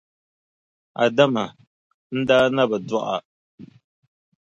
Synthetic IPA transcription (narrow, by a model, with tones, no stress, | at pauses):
a̰˨da˦ma˨ | n̩˦da˦na˦ba˨dɔ˦ʔa˨